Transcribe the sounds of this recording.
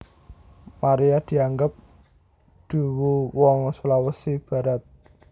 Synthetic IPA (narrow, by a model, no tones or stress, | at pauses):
maɾijad̪̥i̤aŋɡəp̚ | d̪̥ṳwuwɔŋsulawəsib̥a̤ɾat̪̚